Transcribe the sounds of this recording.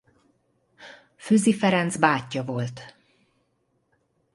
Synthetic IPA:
føːzifɛɾɛnzbaːcːɒvo̞lt̪

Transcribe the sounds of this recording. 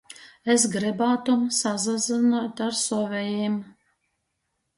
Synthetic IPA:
esɡɾɨbaːt̪umsazazɨnɔt̪aɾsɔvʲɛjeːm

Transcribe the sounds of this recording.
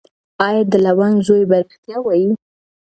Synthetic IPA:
ɑjɑd̪əlawanzojbaɾt̪jɑwɑji

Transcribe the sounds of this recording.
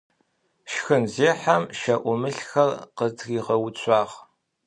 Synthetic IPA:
ʃxɨnzeːħamʃɐʔʷʊmɨɬxɐrqətʰɣiːʁɐwʊt͡ɕʰʷʼɑːʁ

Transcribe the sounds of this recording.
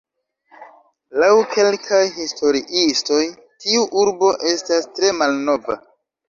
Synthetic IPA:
lawkʰe̞lkʰajhisto̞ɾiʔisto̞j | tiuʔuɾbo̞ʔe̞stastɾe̞malno̞va̰

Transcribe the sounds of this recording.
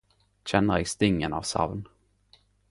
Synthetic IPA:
ɕɛnːəɾɛɡst̪ɪŋːəna̰vsa̰vn

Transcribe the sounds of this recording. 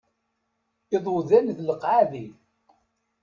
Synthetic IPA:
ɪðˤoðænðləqːʕaðiθ

